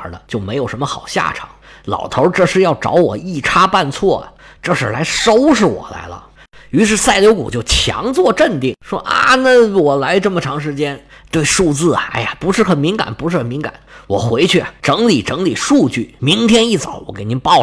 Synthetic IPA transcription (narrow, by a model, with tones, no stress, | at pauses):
də˧t͡ɕjo˥˩ʊme˧˥ɪjo˨˩ʊʂə˧˥nmə˧xɑ˨˩ʊɕja̰˥˩ʈ͡ʂʰɑ̰˨˩˦ŋlɑ̰˨˩ʊt̪ʰo˧˥ʈ͡ʂɤ˥˧ʂɻ̩˥˧jɑ˥˩ʊʈ͡ʂɑ̰˧˥ʊwɔ̰˨˩i˥˩ʈ͡ʂʰa˥pa˥˧nt͡sʰwɔ˥˩ɐ̰˨ʈ͡ʂɤ˥˧ʂɻ̩˥˩la˧˥ɪʂo˥ʊʂ̬ɻ̩˥˩wɔ̰˨˩la̰˧˥ɪlə̰˧ | y˧˥ʂ̬ɻ̩˥˧sa˥˩ɪljo˧˥ʊkṵ˨˩t͡ɕjo˥˩ʊt͡ɕʰjɑ̰˧˥ŋt͡swɔ˥˧ʈ͡ʂə˥˧nt̪i˥˩ŋʂwɔ̰˥ʔa̰˥˩na˥˩wɔ˨˩la˧˥ɪʈ͡ʂɤ˥˩mə˩ʈ͡ʂʰɑ˧˥ŋʂ̬ɻ̩˧˥t͡ɕjɛ˥n | t̪we˥˧ɪʂu˥˧t͡sɹ̩˥˩ɐ˩a̰˥˩ɪja˨pu˧˥ʂɻ̩˥˩xə˨˩nmi˧˥ŋka̰˨˩˦npu˧˥ʂɻ̩˥˩xə˨˩nmi˧˥ŋka̰˨˩˦nwɔ˨˩xwe˧˥ɪt͡ɕʰy˥˩ɐ˩ʈ͡ʂɤ˧˥ŋli˨˩ʈ͡ʂɤ˧˥ŋli˨˩ʂu˥˧t͡ɕy˥˩mi˧˥ŋt̪ʰjɛ˥ni˥˩t͡sɑ˨˧˩ʊwɔ˧˩ke˨˩ɪni˧˥npɑ˥˩ʊ